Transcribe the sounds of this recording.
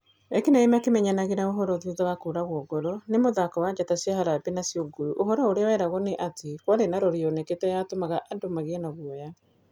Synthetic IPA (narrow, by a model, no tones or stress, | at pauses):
ɛkinaimakemɛɲanaɣeɾaoɦɔɾɔðuðawakoɾaɣwɔɡɔɾɔnemoðakɔwad͡ʒatasjaɦaɾapenasjɔɡoɾuʔoɦɔɾɔoɾeawɛɾaɣɔneʔatʰekwaɾenaɾɔɾiɔnɛketɛjatomaɣaʔandomaɣeɛnaɣwɔja